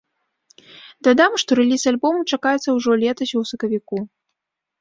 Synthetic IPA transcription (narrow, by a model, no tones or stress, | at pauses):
d̪ad̪amʂt̪ɔɾɛlʲisalʲbɔmut͡ʂakajɛt̪sːɐwʐɔlʲɛt̪ɐsʲuwsɐkɐvʲiku